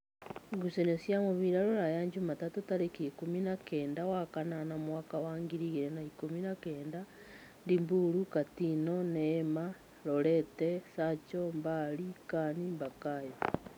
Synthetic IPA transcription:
ɡusenesjamoβiɾaɾoɾajaɲd͡ʒumatatutaɾekikuminakeːndawakananamwakawaːŋɡiɾiɣiɾenaikuminakeːnda | ndimbuɾukatinonema | loɾetesat͡ʃombalikanimbakajo

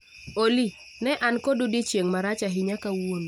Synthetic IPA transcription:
oli | nɛʔankodudit͡ʃjeŋmaɾat͡ʃaɦɪɲakawon

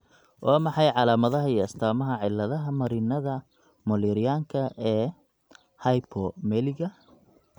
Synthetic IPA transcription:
ʔaːmɑħɑjʕɑlaːmɐðɐɦɐiːɐst̪ʰaːmɐɦɐʕɪlːɐðɐɦɐmɐɾiːnɐðɐ | mɔliɾɪjaːŋkʰɐʔɛː | hɐjpʰɔmɛlɪɣɐ

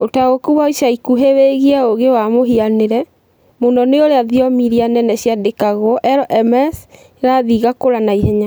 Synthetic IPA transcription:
otaɣokuwaiʃaikuɦeweɣiaoɣewamoɦianeɾɛ | monɔneoɾeaðiɔmiɾianɛnɛɕjadekaɣwɔʔɛɾɔʔɛmɛs | ɾaðiɣakoɾanaihɛɲa

